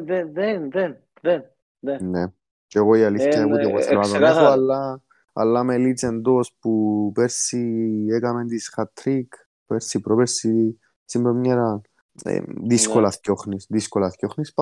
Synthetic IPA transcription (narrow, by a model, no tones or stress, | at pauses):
ðeðenðen | ðen | ne | ceːɣoialift̪ajmuieɣoθɛɾɐt̪onaoalːa̰ː | lːamelit͡send̪ospupeɾsiekɐmend̪isxat̪ʰɾik | peɾsipɾopeɾsi | t͡simbemɲeɾan̰ | ðiskolaθcoxnisðiskolɐθcoxnisp